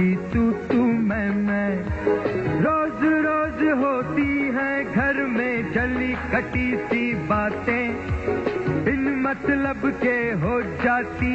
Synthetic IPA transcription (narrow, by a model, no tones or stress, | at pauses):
it̪uːt̪umɛ̃ːmɛ̃ː | ɾoːzɾoːzɦoːt̪iɦɛ̃ːɡʱɐɾmẽd͡ʒɐlikɐʈit̪ibaːt̪ẽ | ɪnmɐt̪ləbkeɦoːd͡ʒaːt̪iː